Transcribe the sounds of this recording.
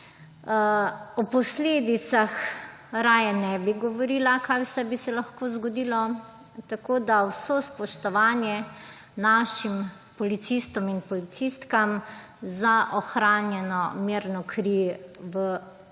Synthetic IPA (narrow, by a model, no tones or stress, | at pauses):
ɔpɔsleːd̪it̪sax | ɾaːjanɛbiɡɔʋɔɾiːlakajsɛbisɛlaxkoːzɡɔd̪iːlɔ | t̪akoːd̪awsospɔʃt̪ɔʋaːnjɛ | naʃim | pɔlit̪sist̪ɔminpɔlit̪sist̪kam | zaʔɔxɾaːnjɛnɔmiɾnɔkʰɾiʋə